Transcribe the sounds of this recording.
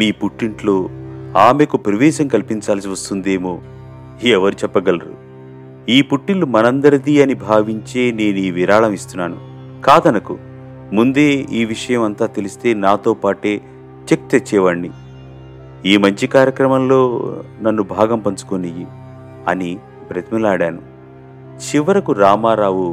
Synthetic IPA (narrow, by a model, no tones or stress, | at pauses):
miːpuʈːiɳʈloːaːmeːkupɾɐʋɛːʃɐmkɐlipiɲt͡ʃaːls̬iʋɐst̪und̪e̞ːmoː | iɛʋɐɾut͡ʃɛpːɐɡɐlɐɾṵ | iːpuʈːilːumɐnɐnd̪ɐɾɐd̪iɐnibʱaːʋiɲt͡ʃe̞ːne̞ːnuiːʋiɾaːɭɐmist̪unːaːnu | kaːd̪ɐnɐkṵ | mund̪eːiːʋiʂɐjɐmɐnt̪aːt̪e̞list̪e̞ːnaːt̪o̞ːpaːʈe̞ː | t͡ʃek̚t͡ʃɐt͡ʃːɛːʋɐɳːi | iːmɐɲt͡ʃikaːɾjɐkɾɐmɐmlo̞ːnɐnːubʱaːɡɐmpɐɲt͡ʃu̥koniji | ɐni | pɾɐt̪imilaːɽaːnu | t͡ʃiʋɐɾɐkuɾaːmaːɾaːwu